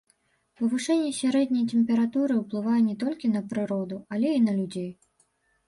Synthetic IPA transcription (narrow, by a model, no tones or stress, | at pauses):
pɐvuʂɛnʲːɛsʲaɾɛd̪̚ʲnʲɐjt̪ɛmpʲɛɾat̪uɾɨwplˠɨvajɛnʲɛt̪ɔlʲkʲinɐpɾɨɾɔd̪ualʲɛinɐlʲud͡zʲej